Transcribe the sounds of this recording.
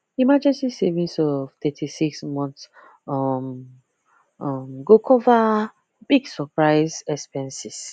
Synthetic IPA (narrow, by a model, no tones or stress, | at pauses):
imad͡ʒɛ̃nsisevĩnsɔvt̪ɛtʰisiksmɔ̃ns | ɔm | ɔmɡokʰɔva | b̥iɡsɔpɹaɪzɛspɛ̃nsis